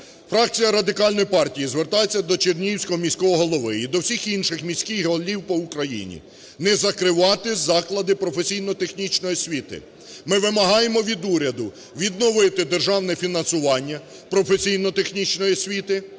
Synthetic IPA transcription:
fɾɑk̚t͡sʲijɐɾɐd̪ɪkɑlʲnɔjpɑrtʲijizʋert̪ɑjet͡sʲːɐd̪ɔt͡ʃernʲiwsʲkɔɦɔmʲisʲkɔɦɔɦɔlˠɔʋɪid̪ɔwsʲixinʃɪxmʲisʲkɪjɦɔlʲiwpɔʊkɾɐjḭnʲḭ | nɛzɐkɾɪʋɑt̪ɪzɑklˠɐd̪ɪpɾɔfesʲijnɔt̪exnʲit͡ʃnɔjisʲʋʲit̪ɪ̰ | mɪʋɪmɐɦɑjemɔʋʲid̪uɾʲɐd̪ʊ | ʋʲid̪nɔʋɪt̪ɪd̪erʒɑwnɛfʲinɐnsʊʋɑnʲːɐ | pɾɔfesʲijnɔt̪exnʲit͡ʃnɔjisʲʋʲit̪ɪ

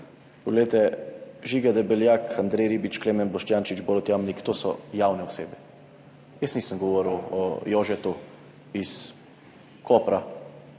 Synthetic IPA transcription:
pɔɡlejt̪ɛʒiɡad̪ɛbɛljakand̪ɾɛjɾibit͡ʃkleːmɛnbɔʃt̪jaːnt͡ʃit͡ʃbɔɾɔt̪jaːmnikt̪oːsɔ̰jaːwnɛɔseːbɛ | jəsniːsəmɡɔʋɔːɾəwɔ̰jɔːʒɛt̪u | is | kʰoːpɾa

